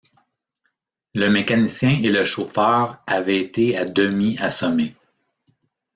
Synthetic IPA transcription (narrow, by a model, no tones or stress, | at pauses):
ləmekanisjɛ̃ʔeləʃofœːʁavɛːt̪ead̪əmiasɔme